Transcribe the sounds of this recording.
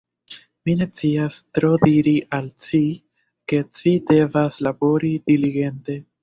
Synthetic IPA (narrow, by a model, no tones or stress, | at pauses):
mine̞t͡siastɾo̞diɾiʔalt͡ʃi | ke̞t͡ʃide̞vaslabo̞ɾid̥iliɡe̞nte̞